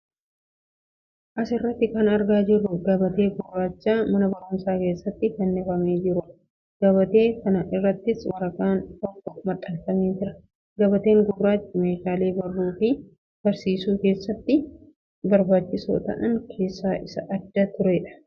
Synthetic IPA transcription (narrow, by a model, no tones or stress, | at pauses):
ʔɐsɪrːɐt̪ːɪkɐnɐɾɡaːd͡ʒɪrːʊɡɐbɐt̪e̞ːɡʊɾːaːt͡ʃːaːmɐnɐbɐɾʊmsaːke̞ːsːɐt̪ːɪkɛnːɛfɐmeːd͡ʒɪɾʊ | ɡ̥ɐβɐt̪e̞ːkɐnɐʔɪrːɐt̪ːɪswɐɾɐkʼaːnt̪ɔkːɔkʊmɐt̪ʼɐlt̪ɐmeːd͡ʒɪɾɐ | ɡɐbɐt̪e̞ːŋɡʊbɾaːt͡ʃːme̞ːʃaːle̞ːbɐrːuːfɪ | b̥ɐɾsiːsuːke̞ːsːɐt̪ːɪ | bɐɾbaːt͡ʃːɪso̰ːt̪ɐ̰ʔɐŋkʰe̞ːsːaːʔɪsɐʔɐd̪ːɐt̪ʊɾɛᶑɐ̥